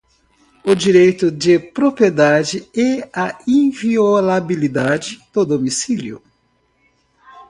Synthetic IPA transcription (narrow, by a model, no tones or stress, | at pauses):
ʊd͡ʒiɾejt̪ʊd͡ʒɪpɾopɾied̪ad͡ʒɪɛɐĩviolabilid̪ad͡ʒɪd̪̥ʊd̪omisiljʊ̰